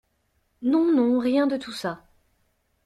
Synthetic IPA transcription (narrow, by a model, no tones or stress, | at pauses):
nɔ̃nɔ̃ʁjɛ̃d̪ət̪usa